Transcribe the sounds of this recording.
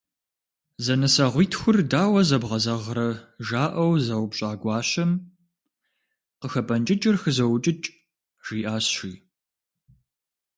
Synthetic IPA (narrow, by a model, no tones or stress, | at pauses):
zɐnɐsaːʁʷiːtʰxʷʊrdaːwɐzɐbʁɐzɐʁɾɐʒaːʔɐwzɐwpɕʼaːɡʷɑːɕɐm | qəxɐpʰʼɐnt͡ʃʼɪt͡ʃʼɪrxɨzɐwt͡ʃʼɪt͡ʃʼ | ʒ̥iːʔaːɕḭː